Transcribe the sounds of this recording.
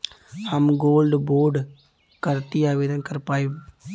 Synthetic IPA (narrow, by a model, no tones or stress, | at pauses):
həmɡoːlɖboːɾɖ | kəɾt̪iaːʋeːd̪ənkəɾpaːi